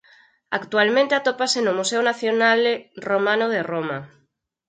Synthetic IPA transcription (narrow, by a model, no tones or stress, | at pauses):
a̰kt̪ualmẽnt̪eat̪opasenomuseonaθjonalromãnoð̞eroma